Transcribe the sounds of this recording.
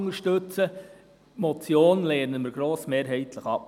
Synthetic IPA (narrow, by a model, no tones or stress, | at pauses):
ŋəɾʃtɵt͡sə | mɔt͡sjoːnleːɾnəməɾɡ̥ɾoːsmeːɾɦɛɪt̪ʰləχɑp